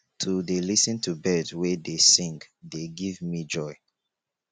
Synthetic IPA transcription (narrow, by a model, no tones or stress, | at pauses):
tʰudelisə̃ntʰubɛdwɛdesĩŋɡdeɡivmid͡ʒɔɪ